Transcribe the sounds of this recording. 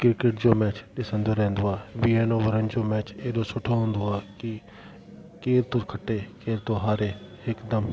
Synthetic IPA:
kɪɾkɪʈ̚d͡ʒoːmɛːt͡ʃɗɪsə̃nd̪oːɾɛ̃ːnd̪oːaːʋiːeːnoːʋəɾənd͡ʒoːmɛːt͡ʃeːɗoːsʊʈʰoɦʊ̃ːnd̪oːaːkɪ | keːɾt̪oːkʰəʈːeːkeːɾt̪oːɦaːɾeːhɪkd̪əm

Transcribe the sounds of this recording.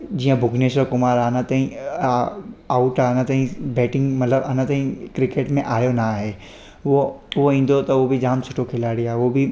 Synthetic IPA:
d͡ʑiːə̃bʱʊɡʱneʃokʊmaːɾaːnɐt̪aːĩ | aːʊʈaːnət̪aːɦĩbɛːʈɪ̃ŋɡmɐt̪ləbanət̪aːɦĩkɾɪkeːʈmẽʔaːjonaɦeː | oʊoĩːn̆d̪ot̪ɐobʱid͡ʑaːmsʰʊʈʰokʰɪlaːɽiaːɦeobɪ

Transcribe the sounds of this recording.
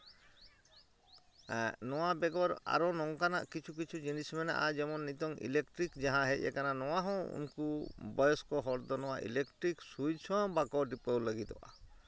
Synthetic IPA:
nɔwabɛɡɔɾa̰ɾɔnɔŋkana̰ʔkit͡ʃʰuk̬it͡ʃʰud͡ʒinismɛna̰ʔad͡ʒɛmɔnːit̪ɔŋḭlekʈɾikd͡ʒaɦãɦɛḛkananɔwaɦɔ̃ṵnkubɔjɔskɔɦɔɾd̪ɔnɔwaʔḭlekʈɾiksujt͡ʃʰɔ̃bakɔɖipɔwləɡit̪ɔ̰ʔa̰

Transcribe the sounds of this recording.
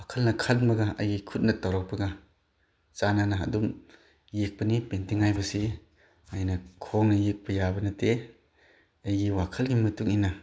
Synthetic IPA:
wakʰɐlnɐkʰat̚mɐɡaɐjɡikʰut̚nɐtawɾɔk̚pɐɡa | t͡ʃananaɐ̰dum | jek̚pɐnipentiŋːajbɐsi | ajnɐkʰɔŋnɐjek̚pɐjabɐnɐte | ɐjɡiwakʰɐlɡimɐtuk̚inːa

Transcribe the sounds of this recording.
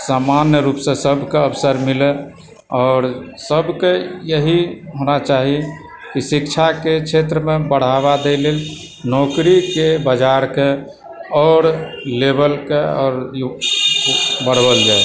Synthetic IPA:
samanjəɾupsẽsəbʱkeəpsəɾmile | ɔːɾsəbʱkejəɦiɦonat͡ʃaɦi | kisikt͡ʃʰaket͡ʃʰet̪ɾəmebəɽ̤aβad̪elel | nɔkɾikebad͡ʒaɾke | ɔːɾlebəlkeɔ̰ːɾ | bəɽ̤bəld͡ʒae

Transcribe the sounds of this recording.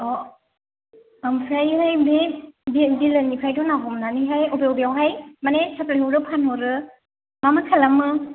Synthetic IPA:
ɔ | mpʰɾajɦajbebibilɯnipʰajdɔnaɦɔmnaniɦajɔbewbjawɦajmanesʰaplajɦɔɾɯpʰanhɔɾɯ | mamakʰalamɯ

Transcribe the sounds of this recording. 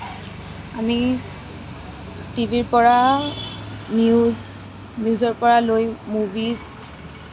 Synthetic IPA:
ami | tibʱiɹpɔɹa | niz | njuzɔɹpɔɹalojmubiz

